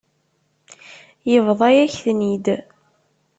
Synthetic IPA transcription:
jəvðˤɑjæçθnid̪

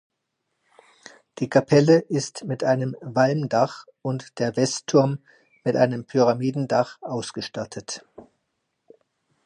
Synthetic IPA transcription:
d̥iːkʰapʰɛləʔɪstmɪtʔaɪnəmvalmdaχ | ʊntd̥eːɐvɛstʰːʊɐmː | ɪtʔa̰ɪnəmpʰyʁamiːdn̩daχʔaʊsɡ̥əʃtatʰət

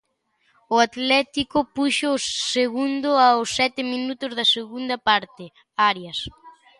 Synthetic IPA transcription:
ʊat̪lɛt̪ikʊpuʃoːsseɣund̪ʊaʊsːɛt̪ɪminut̪ʊzðɐseɣund̪ɐpaɾt̪ɪ | aɾjɐs

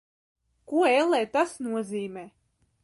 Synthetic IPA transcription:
kuɔɛlˠːɛːt̪asnuɔziːmɛː

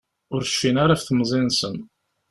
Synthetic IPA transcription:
ʊɾʃːinaɾafθmzˤinsən

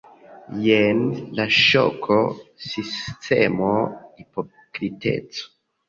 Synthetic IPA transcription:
jenlaʃo̰kʰosistemoipo | kɾitḛt͡so̥

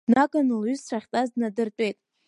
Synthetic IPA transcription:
nakʼanɨlɥyzʈ͡ʂʰʷaχʲtʼazdnadɨrtʼe̞jtʼ

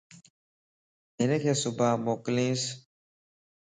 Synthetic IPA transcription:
ɪnekʰeːsʊbʱaːmoːklĩːs

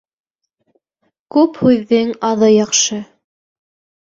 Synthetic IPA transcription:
kʉphʉðːɘŋɑðɤjɑqʃɤ

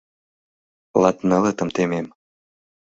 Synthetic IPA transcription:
lɑt̪nɤlət̪ə̆mt̪emem

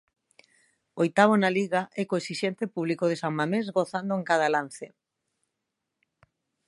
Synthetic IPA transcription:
ojt̪aβ̞onaliɣaʔɛkoesiʃent̪epuβlikoð̞esaŋmamezɣoθand̪oeŋkaðalanθe

